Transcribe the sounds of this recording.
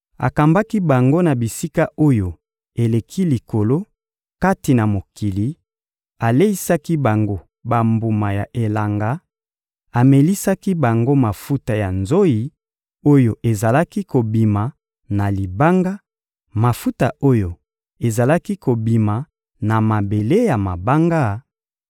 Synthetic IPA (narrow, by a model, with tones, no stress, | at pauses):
a̰˨ka˨mba˦ki˦ba˨ŋɡo˦na˨bi˨si˦ka˦ʔo˦jo˨ | e˨le˨kʰi˦li˨ko˨lo˦ | ka˦ti˨na˨mo˨ki˨li˨ | a˨le˦i˦sa˦ki˦ba˨ŋɡo˦ | ba˨mbu˨ma˨ja˨ʔe˨la˨ŋɡa˨˦ | a˨me˨li˦sa˦ki˦ba˨ŋɡo˦ma˨fu˦ta˨ja˨nzo˦ji˨ | o˦jo˨ʔe˨za˨la˦ki˦ko˨bi˨ma˨ | na˨li˨ba˦ŋɡa˦ | ma˨fu˦ta˨ʔo˦jo˨ | e˨za˨la˦ki˦ko˨bi˨ma˨ | na˨ma˨be˨le˦ja˨ma˨ba˦ŋɡa˦